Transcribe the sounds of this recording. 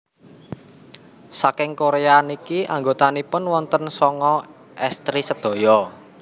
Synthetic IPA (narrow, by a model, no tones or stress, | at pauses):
sakɪŋkoɾeanikiʔaŋɡot̪anipʊnwɔnt̪ənsɔŋɔ | ʔɛst̪ɾisəd̪̥o̤jɔ